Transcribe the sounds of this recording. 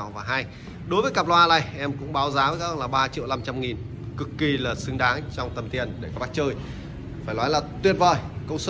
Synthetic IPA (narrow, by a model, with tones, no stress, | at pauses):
wvaː˨˩ɦa˧j | ɗo˨˦jvəː˨˦jka˨˩p̚lwaː˧la̰˧˩jʔɛ˧mkʊ̰˧˥ŋ͡mɓaː˨˦wzaː˨˦vəː˨˦ka˦˥hŋlaː˨˩ɓaː˧t͡ɕḭ˧˨wla˧mt͡ɕa˧mŋi˨˩n | kɨ˨˩kːi˧laː˨˩sɨ˧ŋɗaː˨˦ŋt͡ɕɔ˧wŋ͡mt̪ə˨˩mt̪i˨˩ənɗe˧˩kɔ˨˦ɓa˦˥k̚t͡ɕəː˧j | faː˧˩jlaː˨˦jlaː˨˩t̪wi˧˩ət̚vəː˨˩jkə˧ws